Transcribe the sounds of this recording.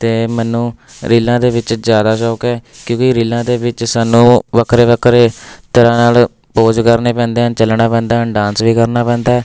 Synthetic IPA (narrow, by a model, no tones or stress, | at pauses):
t̪eːmɛːnũːɾiːlãːd̪eːʋɪt͡ʃzjaːd̪aːʃɔːkɛːkjõːkɪɾiːlãːd̪eːʋɪt͡ʃsaːnũːʋəkʰɾeːʋəkʰɾeːt̪əɾãːnaːl | poːd͡ʒkəɾneːpɛ̃ːnd̪eːɦənt͡ʃəlnaːpɛ̃ːnd̪aːɦənɖãːnsʋiːkəɾnaːpɛ̃ːnd̪aːɛː